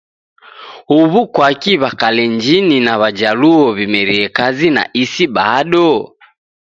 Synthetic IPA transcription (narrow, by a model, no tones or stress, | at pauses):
huβukwakiβakalɛɲd͡ʒininaβad͡ʒaluɔβimɛɾiɛkazina̰ʔisiɓaɗɔ